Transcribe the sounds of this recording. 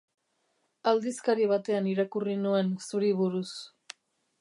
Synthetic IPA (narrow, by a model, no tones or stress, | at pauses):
ald̪iskaɾiβ̞at̪e̞aniɾakurinue̞nsuɾiβuɾus